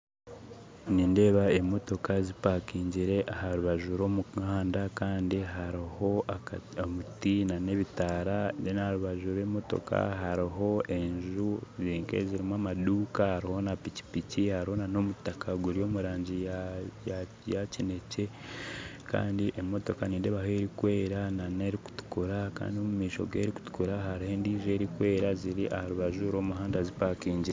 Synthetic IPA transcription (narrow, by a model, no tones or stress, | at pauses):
niːnde̞ːβaemo̞to̞kazipakiːɲɟiɾe̞ʔaɦaɾuβaʒuɾo̞ːmukaːndakaːndiɦaɾiho̞aomutinane̞βitaɾanenahaɾuβaʒuɾe̞ːmo̞to̞̰kʰa̰ɦaɾiɦo̞ʔe̞ɲʒuziːŋkḛziɾimwamaduːkahaɾiho̞napici̥picihaɾiho̞nano̞mutakʰaɡuɾio̞ːmuɾaːɲɟiaja | jacine̞ce̞ | ka̰ːndiʔemo̞to̞kaniːndeβaɦeɾikwe̞ːɾanane̞ɾiku̥tu̥kuɾaka̰ːndio̞mumiːʃo̞̰ɡwe̞ɾiku̥tu̥kuɾaɦaɾihe̞ndiːʒe̞ɾikwe̞ːɾaziɾiʔahaɾuβaʒuɾo̞ːmuɦaːndazipakiːɲɟiɾ